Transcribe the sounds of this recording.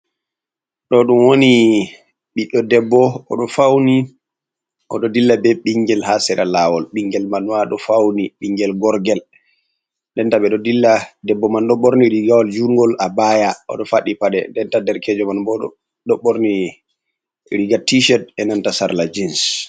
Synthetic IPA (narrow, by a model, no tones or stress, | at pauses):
ɗɔɗumwoni | ɓiɗɔdɛbːɔɔ̰ɗɔfawni | ʔɔ̰ɗɔdilːabɛɓiŋɡɛlhasɛɾalawɔlɓiŋɡɛlmanwaɗɔfawniɓiŋɡɛlɡɔɾɡɛl | ndɛntaɓɛɗɔdilːadɛbːɔmanɗɔɓɔɾniɾiɡawɔld͡ʒuŋɡɔlʔabajaɔ̰ɗɔfaɗipaɗɛ̰ndɛntadɛɾkɛd͡ʒɔmanbɔɗɔ̰ | ɗɔɓːɔɾni | ɾiɡatiʃɛd̚ɛnantasaɾlad͡ʒins